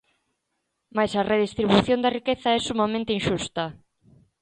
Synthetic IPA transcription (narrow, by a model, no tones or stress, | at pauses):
majsɐreðist̪ɾiβuθjond̪ɐrikeθaɛsumamẽnt̪einʃust̪ɐ